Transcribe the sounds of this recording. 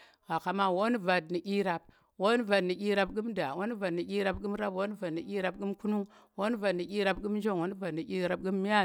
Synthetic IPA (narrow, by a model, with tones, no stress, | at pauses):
ɣa˨ka˨ma˦wo˦n˦va˨dni˨ʔi˦ɾa˨b̚ | wo˦n˦va˨dni˨ɡʲi˦ɾa˨bɡu˦mda˨wo˦n˦va˨dni˨ʔi˦ɾa˦bɡu˦mɾa˦bwo˦va˨dni˨i˦ɾa˨b̚ɡu˦mku˦nu˦wo˦n˦va˨dni˨ʔi˦ɾa˦bɡu˦m˦d͡ʒo˦ŋ˨wo˦n˦va˨dni˨i˦ɾa˨p̚ɡu˦mːi˦ja˦